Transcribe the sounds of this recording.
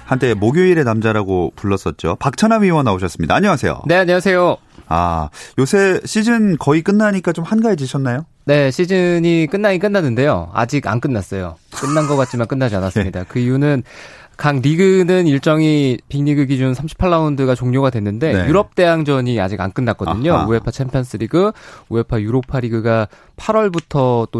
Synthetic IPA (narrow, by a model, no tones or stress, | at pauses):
hantʰe̞moɡjoiɾe̞namd͡ʑaɾaɡopuɭːʌs͈ʌt̚t͡ɕ͈o̰pak̚t͡ɕʰanamioŋanaoɕʰʌs͈ɯmɲida̰ːɲʌŋasʰe̞jo̰ne̞aɲʌŋasʰe̞jo | a̰josʰe̞ɕʰid͡ʑɯnkʌik͈ɯnːaɲik͈at͡ɕomhanɡaed͡ʑiɕʰʌnːajo | ne̞ɕʰid͡ʑɯɲik͈ɯnːaɲik͈ɯnːanːɯnde̞jo̰a̰d͡ʑiɡa̰nk͈ɯnːas͈ʌjo̰k͈ɯnːanɡʌk͈at̚t͡ɕ͈imank͈ɯnːad͡ʑianas͈ɯmmɲidakɯijunɯn | kaŋɾiɡɯnɯniɭt͡ɕ͈ʌŋipiŋɲiɡɯɡid͡ʑunsʰamɕʰi̥pʰaɭːaundɯɡat͡ɕoŋɲoɡadwe̞nːɯnde̞juɾʌp̚t͈e̞aŋd͡ʑʌɲia̰d͡ʑiɡa̰nk͈ɯnːak̚k͈ʌdɯɲoue̞pʰat͡ɕʰempʰjʌns͈ʰɯɾiɡɯue̞pʰajuɾopʰaɾiɡɯɡa | pʰaɾwʌɭbutʰʌt͈o